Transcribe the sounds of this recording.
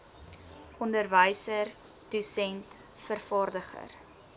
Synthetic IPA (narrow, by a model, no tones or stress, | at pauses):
ʔɔndərvəjsər | d̥usɛnt | fərfɑːrdəχə̰r